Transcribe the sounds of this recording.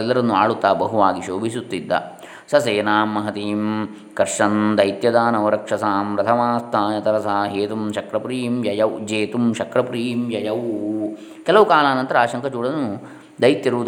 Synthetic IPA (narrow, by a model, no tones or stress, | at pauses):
ɛlːɐɾɐnːua̰ːɭut̪ːaːbɐɦuʋaːɡiʃoːbʱisut̪ːid̪ːɐ̰ | sɐseːnaːmːɐɦɐt̪iːm | kɐɾʂɐnd̪ɐjt̪jɐd̪aːnɐʋɐɾɐkʂɐsaːmɾɐt̪ʰɐmaːst̪ʰaːnɐt̪ɐɾɐsaːɦeːt̪umʃɐkɾɐpɾiːmjɐjɐwd͡ʒeːt̪umʃɐkɾɐpɾiːmjɐjɐʋ | kɛlɐʋukaːlaːnɐnt̪ɐɾɐaːʃɐŋkʰɐt͡ʃuːɽɐɐnːu | d̪ɐjt̪jɐɾuʋd̪